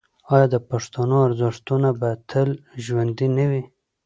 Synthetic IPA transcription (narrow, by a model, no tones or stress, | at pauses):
ɑjɑd̪əpaʂt̪anoaɾzɪʂt̪unabat̪ʰəlʒwand̪inawi